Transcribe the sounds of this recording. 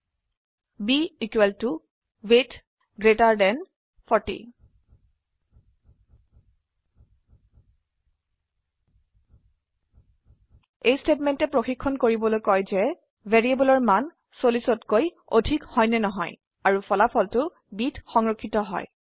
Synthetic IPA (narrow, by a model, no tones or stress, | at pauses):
biikwɛltu | wet | ɡɹetaɹdɛn | pʰɔɹtḭ | ejstetmɛntɛpɹoxikʰːɔnkoɹibɔlojkɔjzɛ | vɛɹiebɔlɔɹman | solisɔtkoj | o̰dʱikhɔjnɛnɔɦɔ̰j | aɹupʰɔlapʰɔltʊ | bitxɔŋɹɔkʰːitɔɦɔ̰j